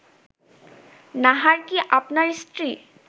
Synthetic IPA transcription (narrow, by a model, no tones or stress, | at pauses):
naɦaɹkiʔapnaɹstɹi